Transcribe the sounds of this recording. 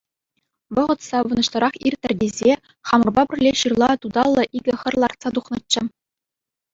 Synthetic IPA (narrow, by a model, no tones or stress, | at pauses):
ʋɤ̆ʁɤ̆t̪sɑʋɤ̆nɤ̆ɕt̪ɤ̆ɾɑχirʲt̪ʲːɘ̆rʲdʲezʲe | χɑmɤ̆rbɑbʲɘ̆rʲlʲeɕɯrlˠɑt̪ud̪ɑlˠːɤ̆ʔiɡʲɘ̆xʲɘ̆rlˠɑrt̪sɑt̪uχnɤ̆t͡ɕːɘ̆